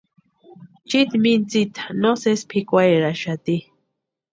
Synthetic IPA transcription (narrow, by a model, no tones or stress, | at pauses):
t͡ʃit̪mint͡sit̪ʰḁnosespʰikʷajɾaʃat̪i